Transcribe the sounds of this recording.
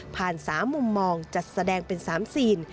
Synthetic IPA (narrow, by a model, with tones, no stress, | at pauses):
pʰaː˨˩nsaː˩˦mːu˧mːɔː˧ŋt͡ɕa˨˩t̪̚sa˧dɛː˧ŋpe˧nsaː˩˦msiː˧˩n